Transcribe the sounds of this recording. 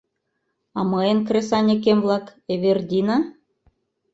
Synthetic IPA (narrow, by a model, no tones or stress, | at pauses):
ɑmɤenkrʲesɑnʲek̬ʲemvlˠɑkeβerd̪ʲinɑ